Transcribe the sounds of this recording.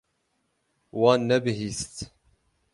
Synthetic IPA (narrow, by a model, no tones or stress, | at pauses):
wɑːnːæbɦist̪